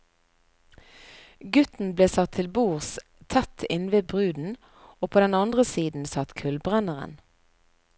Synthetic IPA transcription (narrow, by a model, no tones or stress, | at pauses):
ɡʉt̪n̩bleːsɑt̪ʰːɪlbuːʁs | t̪ʰɛt̪ʰɪnʋeːbʁʉːd̪n̩ | oːpʰoːd̪ɛnɑnd̪ʁəsiːd̪n̩sɑt̪kʰʉlbʁɛnəʁə̰n